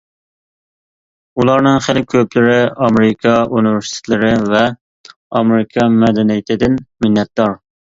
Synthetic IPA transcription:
ulˠɑɾnɨŋχɪlɪkʲʰøplɪɾɪɑmeɾɪkʰɑunɪvɪɾsi̥t̪ʰɪ̥t̪ʰlɪɾɪvɛ | ɑmeɾɪkʰɑmɛd̪ɛnijɪt̪ʰɪd̪ɪnmɪnːɛt̪̚d̪ɑɾ

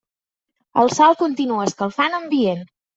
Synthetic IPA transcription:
ə̰lˠsalˠkunt̪inuəskəlˠfanəmbien

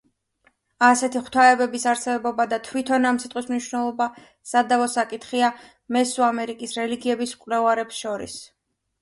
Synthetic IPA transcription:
asɛt̪ʰiχw̥t̪ʰaɛbɛbisaɾsɛbɔbad̪at̪ʰwit̪ʰɔnamt̪sʰit̪ʼismniʃwnɛlˠɔba | sad̪avɔsakʼit̪ʰχia | mɛsuamɛɾikʼisɾɛliɡiɛbiskʼwlɛvaɾɛpsʃɔɾḭs

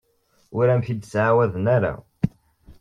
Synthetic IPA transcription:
ʊɾæmθid̪sʕawæðənæɾa̰

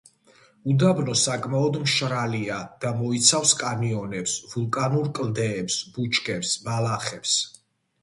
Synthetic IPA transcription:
ud̪abnɔsakʼmaɔd̪mʃɾaliad̪̥amɔit̪sʰafskʼamiɔnɛpsvulˠkʼanuɾkʼld̪ɛːpsb̥ut͡ʃʰkʰʼɛpsmalaχɛps

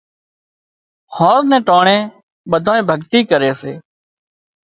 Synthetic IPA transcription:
hoːɾnɛ̃ːʈoːɳẽː | ɓəd̪ʱaːẽːbʱəɡt̪iːkəɾeːseː

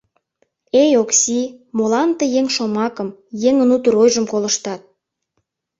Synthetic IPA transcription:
ejoksʲimolɑnt̪ejeŋʃomɑkəmjeŋənut̪əɾojʒəmkolə̆ʃt̪ɑt̪̚

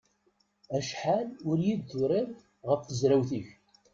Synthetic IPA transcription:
æʃħalʊɾjid̪ːʊɾɪɾˤ | ʁəfθəzɾæwθiç

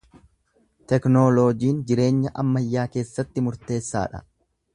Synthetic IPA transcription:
t̪ɛknoːloːd͡ʒiːnd͡ʒɪɾe̞ːɲːɐʔɐmːɐjːaːke̞ːsːɐt̪ːɪmʊɾt̪e̞ːsːa̰ːᶑɐ̰

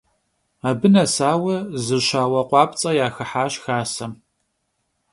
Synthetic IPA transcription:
abɨnɐsaːwɐzɨɕaːwɐqʷɑːpt͡sʼɐjaːxɨħaːɕxaːsɐm

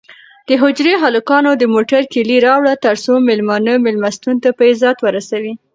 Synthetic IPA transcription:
d̪̥əɦʊd͡ʒɾeɦalukɑnod̪əmoʈaɾkɪliɾɑwɽat̪əɾsomɪlmɑnəmɪlmast̪unt̪apəɪzɑt̪wəɾasawi

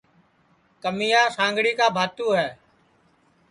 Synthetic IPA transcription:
kəmijaːsãːŋɡɽiːkaːbʱaːt̪ũːɦɛː

